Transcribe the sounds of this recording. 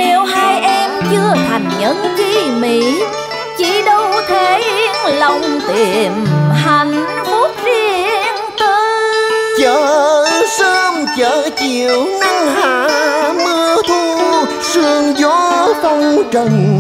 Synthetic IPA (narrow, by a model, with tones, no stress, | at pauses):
e˨˩whaː˧jʔɛ˧mt͡ɕɨ˧ət̪ʰa˨˩jŋ̟ɲə˨˦nvi˧mḭ˧˨ | t͡ɕi˧˩ɗə˧wt̪ʰe˨˦i˧ŋlə˧wŋ͡mt̪i˧˩˨ənɦa˨˩jŋ̟ | fu˦˥t̚zi˧ənt̪ɨ˧t͡ɕəː˧˨səː˧mt͡ɕəː˧˦t͡ɕi˨əwna˧ŋɦaː˧˨mɨ˧ət̪ʰu˧ | sɨ˧əŋzɔ˨˦t̪ə˧wŋ͡mt͡ɕə˧˨˩ŋ